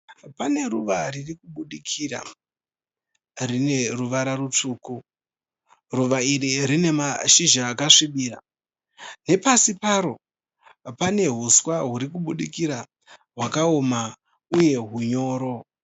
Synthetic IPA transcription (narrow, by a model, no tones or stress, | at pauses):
pane̞ruʋaririkuɓuɗikʰira̰ | rine̞ruʋaɾaɾut͡ʂuːku | ruʋaiɾiɾine̞maʃiʒaːkaʂiɓiːra | ne̞pasipaɾo̞ | pane̞ɦuswaɦuɾikuɓuɗikiɾa | ɦwakaoma | uje̞ɦuɲo̞ːɾo̞